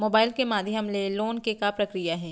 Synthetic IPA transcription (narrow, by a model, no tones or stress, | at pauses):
moːbaːɪlkemaːd̪ʱiɦɐmleloːnkekapɾɐkɾijaɦɛ̃ː